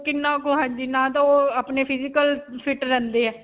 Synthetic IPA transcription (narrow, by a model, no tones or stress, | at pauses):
kɪnːãːkoːɦãːɲd͡ʒiːnãːt̪ãoːaːpneːpʰɪd͡ʒɪkəlpʰɪʈɾɛ̃nd̪eːɛː